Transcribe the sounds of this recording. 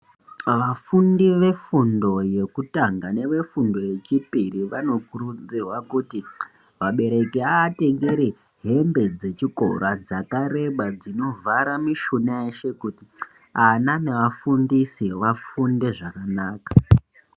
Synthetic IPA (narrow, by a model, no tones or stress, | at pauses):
ʋafundiʋe̞fundo̞je̞kutaŋɡane̞ʋe̞fundo̞je̞t͡ʃipiriʋano̞kurud͡zirwakuti | ʋaɓe̞ɾe̞keaːte̞ŋɡeɾe | ɦe̞mbe̞d͡ze̞t͡ʃiko̞̰ɾad͡zakaɾe̞ɓad͡zino̞vaɾamiʃunaeʃe̞kuti | anane̞ʋafundisiʋafunde̞ʐakanaːkḁ